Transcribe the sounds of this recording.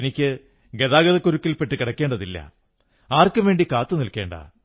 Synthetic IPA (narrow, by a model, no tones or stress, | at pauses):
nikʲːɨ | ɡe̞ðaːɡɐðɐkːuɾukːilpːe̞ʈːɨkiɽɐkːeːɳɖɐðilːɐ̰ | aːrkɨʋe̞ːɳɖikaːt̪ːɨnilke̞ːɳɖɐ̰